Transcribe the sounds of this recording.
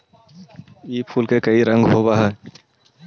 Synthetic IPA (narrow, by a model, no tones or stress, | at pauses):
iːpʰuːlkekɐiɾə̃ŋɡɦoːbaːɦɛː